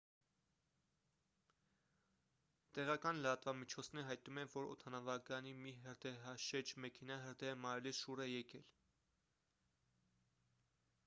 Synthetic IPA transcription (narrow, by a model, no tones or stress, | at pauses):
t̪ɛʁɑkɑnləɾɑt̪vɑmit͡ʃʰɔt͡sʰnɛɾɦɑjt̪numɛvɔɾɔ̰t̪ʰɑnɑvɑkjɑnimiɦəɾd̪ɛɦɑʃɛd͡ʒmɛkʰɛnɑɦəɾd̪ɛəmɑɾɛlisʃuɾɛjɛkɛl